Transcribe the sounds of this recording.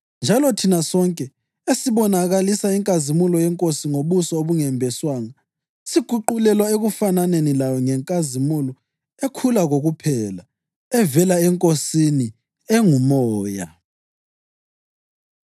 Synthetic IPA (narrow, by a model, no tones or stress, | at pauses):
nd͡ʒʱalɔtʰinasɔŋkʼɛ | esiβɔnaɣalisaiŋkʼazimulɔjɛŋkʼosiŋoβusɔoβuŋɛmbʱɛswaːŋa | siɡ̥ʱuǃulɛlwaeɣufananenilajɔŋɛŋkʼazimulɔ | ekʰulaɣoɣupʰɛla | ɛvɛlaɛŋkʼosini | ɛŋumɔːja̰